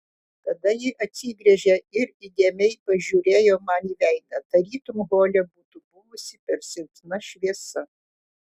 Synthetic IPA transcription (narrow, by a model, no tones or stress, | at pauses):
t̪ɐd̪ɐjɪʔɐt̪ʲsʲiːɡɾʲɛʒʲɛɪɾid̪ʲeɛmʲɛɪpɐʒʲuːɾʲeːjoːmɑniːʋʲæˑɪnɐt̪ɐɾʲiːt̪ʊmɣoːlʲɛbuːt̪ubʊʋʊsʲɪpʲɛɾsʲɪlʲt̪ʲnɐʃʲʋʲiɛsɐ